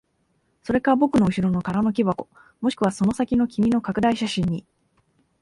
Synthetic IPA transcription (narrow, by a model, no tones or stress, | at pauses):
so̞ɾe̞kaɾabo̞kɯ̟no̞ɯ̟ɕiɾo̞no̞kaɾano̞k̬ʲibako̞ | moɕi̥kɯ̟β̞aso̞no̞sakʲino̞kʲimʲino̞kakɯ̟d̪aiɕaɕĩɲ̟ːi